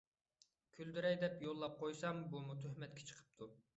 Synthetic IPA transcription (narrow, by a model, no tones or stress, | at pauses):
kʲʰyld̪yɾɛjd̪ɛpjolˠːɑp̚qʰojsɑmbumut̪ʰøhmɛt̪̚kʲʰɛ̥t͡ʃʰə̥qʰə̥p̚t̪ʰu